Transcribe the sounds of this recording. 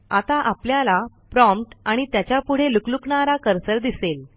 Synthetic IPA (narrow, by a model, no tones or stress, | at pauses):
at̪aʔapljala | pɾɔ̃mpʈaɽ̃it̪jat͡ɕjapuɽ̤eluklukɳaɾakəɾsəɾd̪isel